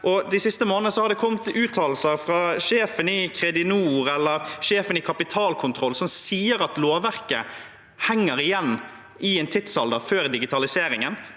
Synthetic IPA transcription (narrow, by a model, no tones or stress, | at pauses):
ʔɔd̪æɪsɪst̪əmoːnənəsɔhɑɾd̪ɛkʰɔmt̪ʉːt̪ʰɑːl̩səɾfɾɑʂeːfənɪkʰɾɛd̪ɪnuːɾɛlːəɾʂeːfənɪkʰɑpɪt̪ʰɑːlkʰʊnt̪ʰɾɔlːsɔmsiːəɾɑt̪loːʋæʁkə | hɛŋːəɾɪjɛnː | ʔɪɛːnt̪ʰɪt̪sɑld̪ɑføːɾd̪ɪɡɪt̪ɑlɪseːɾɪŋən